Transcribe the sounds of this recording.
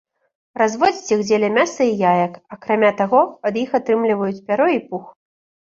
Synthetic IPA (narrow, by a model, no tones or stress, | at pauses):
razvɔd͡zʲit͡sʲiɣd͡zʲɛlʲɛmʲasɐijajɐkakɾamʲat̪aɣɔɐd̪jixat̪ɾɨmlʲivɐjut͡sʲpʲaɾɔipux